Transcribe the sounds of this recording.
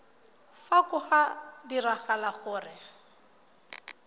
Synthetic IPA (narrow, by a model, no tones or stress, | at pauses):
fakʊχadiraχalaχʊːrɪ